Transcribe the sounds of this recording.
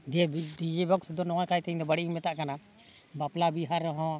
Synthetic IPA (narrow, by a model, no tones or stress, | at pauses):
dɛdid͡ʒɛbɔksd̪ɔnɔwajkajt̪ʰĩɲd̪ɔbaɽiimɛt̪aʔkana | baplabiɦaɾɔɦɔ̃